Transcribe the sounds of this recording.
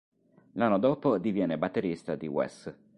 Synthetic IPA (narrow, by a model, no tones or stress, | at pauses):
lanːod̪oːpod̪ivjɛːnːebat̪ːeɾist̪ad̪ḭwɛ̰s